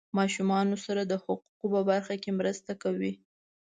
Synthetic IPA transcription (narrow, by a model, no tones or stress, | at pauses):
mɑʃumɑnosaɾad̪əhʊquqopəbaɾxakemɾəst̪akawi